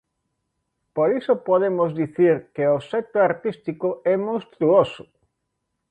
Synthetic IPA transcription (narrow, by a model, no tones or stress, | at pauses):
poɾisopoðemozdiθiɾkeosɛt̪oaɾt̪ist̪ikoɛmowst̪ɾuosʊ̥